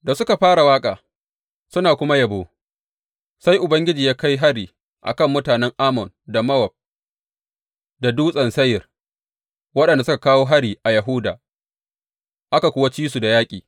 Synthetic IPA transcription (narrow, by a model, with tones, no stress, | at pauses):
da˨sʊ˦ka˨ɸaː˦ɽa˨waː˦kʼaː˨ | sʊ˦naː˨kʷʊ˦ma˦jɐ˨boː˦ | sa˦jʔʊ˨bɐ˦ŋɡʲɪ˦d͡ʒiː˨jaː˦ka˦jɦa˦ɽiː˨ | ʔa̰˨kɐ˦˨mːʊ˦taː˨nɛ˦ŋʔaː˦mɔ˨nda˨mɐ˦wɐ˨b̚ | da˨duː˦sʼɐ˨nsɐ˦jɪ˨r | wɐ˦ɗɐ˨nda˨sʊ˦ka˨kaː˦woː˦ɦa˦ɽiː˨ʔa˨jɐ˨ɦʊ˦daː˨ | ʔa˦ka˨kʷʊː˦wa˦t͡ʃiː˦su˨da˨jaː˦kʲʼiː˨